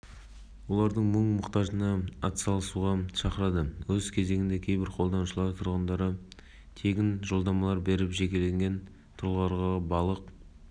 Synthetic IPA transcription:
wo̞lˠɑɾd̪əɴməɴmʊqt̪ɑʒənɑɑt̪sɑlˠəsuʁɑʃɑqəɾɑd̪əwɵzkʲʰe̞ze̞ɡʲɪnd̪e̞kʲʰejbɪɾqʰo̞lˠd̪ɑnuʃəlˠɑɾt̪ʰʊɾʁənd̪ɑɾə | t̪ʰe̞ɡʲɪnʒo̞lˠd̪ɑmɑlˠɑɾbe̞ɾɪpʒe̞kʲe̞le̞ŋɡʲe̞n | t̪ʰʊɾlˠʁɑɾʁɑʁbɑlˠəq

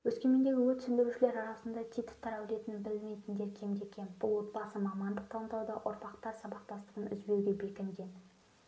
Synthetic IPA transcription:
wɵskʲe̞me̞nd̪eɡʲɪwɵt̪sɪnd̪ewʃɪle̞ɾɑɾɑsənd̪ɑt̪ʰʲijt̪ə̥t̪ːɑɾæwle̞t̪ɪnbɪlɪmejt̪ɪnd̪e̞ɾkʲʰe̞md̪e̞kʲʰe̞nb̥ʊlˠwo̞t̪̚bɑsəmɑmɑnd̪əq̚t̪ʰɑlˠənt̪ɑwd̪ɑʔʊɾpɑqt̪ɑɾsɑbɑq̚t̪ɑst̪əʁənʏ̰zbe̞wɡʲe̞be̞kʲɪnd̪ʲe̞n

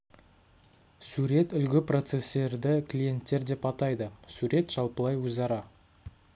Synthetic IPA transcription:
suɾe̞t̪ʏlɡʲɪpro̞t̪se̞sːe̞ɾd̪ɪklʲije̞nt̪ːe̞ɾd̪e̞pɑt̪ɑjd̪əsuɾe̞t̪ʒ̥ɑlˠpəlˠɑjwɵzɑɾɑ

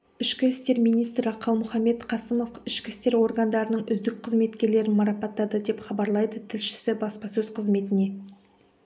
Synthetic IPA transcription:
ɪʃkʲɪɪst̪e̞ɾmijnijst̪ɾɪqʰɑlˠmʊχɑme̞t̪qʰɑsəmo̞fɪʃkʲɪst̪e̞ɾwo̞ɾɡɑnd̪ɑɾənəɴʏzd̪ɪk̚qʰəzme̞t̪kʲe̞ɾle̞ɾɪnmɑɾɑpɑt̪ːɑd̪əd̪e̞pχɑbɑɾlˠɑjd̪ət̪ʰɪlʃɪ̥sɪbɑspɑsɵzqʰəzme̞t̪ɪne̞

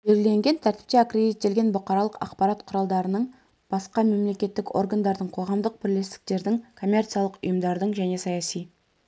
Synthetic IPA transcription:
beɾɪle̞ŋɡʲe̞nt̪ʰæɾt̪ɪ̥p̚t̪eakred̪it̪ːe̞lɡʲe̞nbʊqɑɾɑlˠəqɑ̰qpɑɾɑt̪qʰʊɾɑlˠd̪ɑɾənəɴ | b̥ɑsqɑme̞mle̞kʲe̞t̪ːɪkʲo̞̰rɡand̪ɑɾd̪əɴqʰo̞ʁɑmd̪əq̚bɪɾle̞st̪ɪ̥k̚t̪e̞ɾd̪ɪŋkʰo̞mʲːe̞rt̪sijalˠəqʊ̰jəmd̪ɑɾd̪əɴʒæne̞sɑjɑsij

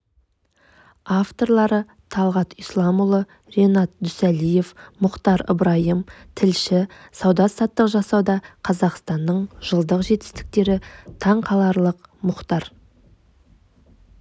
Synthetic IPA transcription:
aft̪o̞ɾlˠɑɾə | t̪ʰɑlˠʁɑt̪ijslˠɑmʊlˠə | ɾe̞nɑt̪̚d̪ʏsælijefmʊqt̪ɑɾə̰bɾɑjəmt̪ʰɪlʃɪsɑwd̪ɑsɑt̪ːəqʒɑsɑwd̪ɑqʰɑzɑqst̪ɑnːəɴʒəlˠd̪əqʒe̞t̪ɪ̥st̪ɪ̥k̚t̪e̞ɾɪt̪ʰɑɴqʰɑlˠɑɾlˠəqmʊqt̪ɑɾ

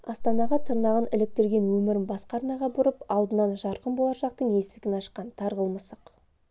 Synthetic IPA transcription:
ɑst̪ɑnɑʁɑt̪ʰəɾnɑʁənɪlɪk̚t̪ɪɾɡʲe̞nwɵmɪɾɪnbɑsqɑɾnɑʁɑbʊɾəpɑlˠd̪ənɑnʒɑɾqəmbo̞lˠɑʃɑq̚t̪əɴje̞sɪkʲɪnɑʃqɑnt̪ʰɑɾʁəlˠməsəq

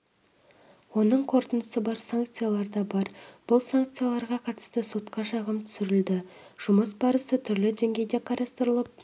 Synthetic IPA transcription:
wo̞nəɴqʰo̞ɾt̪ənd̪əsəbɑɾsaŋk̚t̪sɨjalˠɑɾd̪ɑbɑɾb̥ʊlˠsaŋk̚t̪sɨjalˠɑɾʁɑqʰɑt̪ə̥st̪əso̞t̪qɑʃɑʁəmt̪ʰʏ̥sɪɾɪld̪ɪʒ̥ʊməsbɑɾəsət̪ʰʏɾlɪʒeŋɡʲejd̪e̞qʰɑɾɑst̪əɾəlˠəp̚

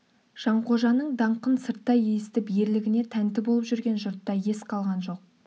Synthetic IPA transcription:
ʒ̥ɑɴqʰo̞ʒɑnəɴd̪ɑɴqənsəɾt̪ːɑjejɪst̪ɪpje̞ɾlɪɡʲɪne̞t̪ʰænt̪ɪbo̞lˠəpʒʏɾɡʲe̞nʒʊɾt̪ːɑje̞sqʰɑlˠʁɑnʒo̞q̚

